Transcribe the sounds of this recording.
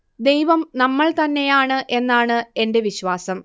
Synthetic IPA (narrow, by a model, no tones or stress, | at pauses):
d̪e̞jʋɐmnɐmːɐɭt̪ɐnːe̞jaːɳɨʔe̞nːaːɳɨe̞nde̞ʋiɕʋaːsɐm